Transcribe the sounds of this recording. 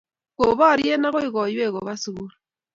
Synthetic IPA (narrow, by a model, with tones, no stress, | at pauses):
ko˨βɔ˦˨ɾje˦na˦ɣo˦i˦ɣɔ˨je˦˨ɣo˨βa˦su˨ɣu˦ɾu